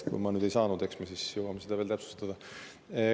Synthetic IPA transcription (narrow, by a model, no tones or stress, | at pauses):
kṵjmɑnyːd̪ejsɑːnud̪e̞ksmesisjɤwɑmesed̪ɑvelt̪æpsu̥st̪ɑd̪̥ɑ